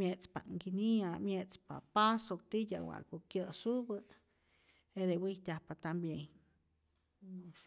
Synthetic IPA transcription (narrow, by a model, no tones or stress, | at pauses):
mjet͡spa̰ʔŋɡiniamjet͡spa̰pasok̚t̪ija̰wa̰ʔkokjəsubɨ | ed̪ewit̪ʲahpat̪ambjeɲ